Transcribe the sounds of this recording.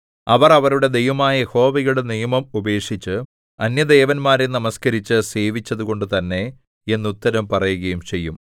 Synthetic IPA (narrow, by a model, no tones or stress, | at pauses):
ɐʋɐrɐʋɐɾuɽe̞d̪e̞jʋɐmaːjɐjeho̞ːʋiɣɐuɽenijɐmɐmube̞ːkʂit͡ɕːɨ | ɐnjɐd̪e̞ːʋɐnmaːɾenɐmɐskɐɾit͡ɕːɨse̞ːʋit͡ɕːɐðuɣo̞ɳɖɨt̪ɐnːe̞ | enːut̪ːɐɾɐmpɐrɐjuɣɐjumt͡ɕe̞jːum